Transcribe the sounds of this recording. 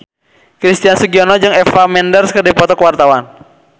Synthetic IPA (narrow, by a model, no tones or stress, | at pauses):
kɾist̪iansuɡiɔnɔd͡ʒɨŋɛfamɛndərskərdipɔt̪ɔkəwart̪awan